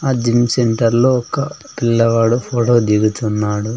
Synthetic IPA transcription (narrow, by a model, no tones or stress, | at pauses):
aːd͡ʒimseɳʈɐɾloɔkɐ | pilːɐʋaːɽupʰoːʈoːd̪iɡut̪unːaːɽu